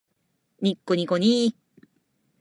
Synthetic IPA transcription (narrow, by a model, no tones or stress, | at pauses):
ɲʲikːoɲʲikoɲʲi